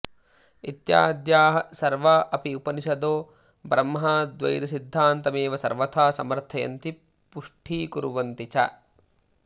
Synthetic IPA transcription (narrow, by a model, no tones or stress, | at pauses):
it̪ja̰ːd̪jaːɦɐsɐɾʋɐʔɐpiupɐniʃɐd̪oː | bɾɐmɦɐd̪ʋɐ̰jɾisid̪ʱːaːnt̪ɐmeːʋɐsɐɾʋɐt̪ʰaːsɐmɐɾt̪ʰɐjɐ̰nt̪i | puʂʈʰiːkuɾuʋɐnt̪it͡ʃɐ̰